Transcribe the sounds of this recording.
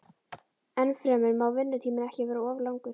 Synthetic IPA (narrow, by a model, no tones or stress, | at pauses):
ɛnfɾɛːmɪnmawvɪnːʏt̪ʰiːmɪnɛhcɪvɛːɾaɔːvlawŋkʏɾ̥